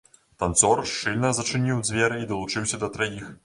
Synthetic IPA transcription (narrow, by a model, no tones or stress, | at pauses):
t̪ant̪sɔrʂt͡ʂɨlʲnɐzɐt͡ʂɨnʲiwd͡zʲvʲɛɾɨid̪ɐlˠut͡ʂɨwsʲɐd̪ɐt̪ɾajix